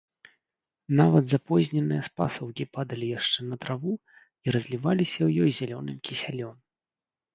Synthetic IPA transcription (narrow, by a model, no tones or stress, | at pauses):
navɐd̪zapɔzʲnʲɛnɨjɐspa̰sɐwkʲipad̪ɐlʲijaʂt͡ʂɛnɐt̪ɾavu | iɾɐzʲlʲivalʲisʲɐwjɔjzʲalʲɔnɨmkʲisʲalʲɔm